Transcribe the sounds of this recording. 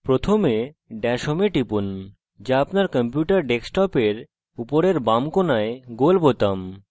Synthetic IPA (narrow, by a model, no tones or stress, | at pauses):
pɾot̪ʰome | ɖɛʃomeʈipun | d͡ʑaapnaɾkɔmpjuʈaɾɖeksʈɔpeɾ | upoɾeɾbamkonaeɡolbot̪am